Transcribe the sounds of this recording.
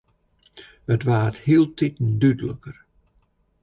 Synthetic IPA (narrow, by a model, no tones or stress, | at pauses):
ətʋaːəthiəlˠtʰitn̩dydələkər